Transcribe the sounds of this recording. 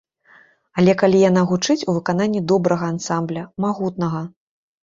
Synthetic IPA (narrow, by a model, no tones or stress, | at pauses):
ɐlʲɛkalʲijanaɣut͡ʂɨt͡sʲuvɨkan̪anʲːid̪ɔbɾɐɣɐːnsamblʲɐmaɣut̪nɐɣɐ